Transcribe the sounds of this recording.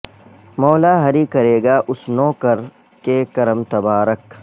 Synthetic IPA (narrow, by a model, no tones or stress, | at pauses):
mɔːlaːɦɐɾikɐɾeːɡaːʔʊsnoːkəɾ | kekɐɾəmt̪ɐbaːɾək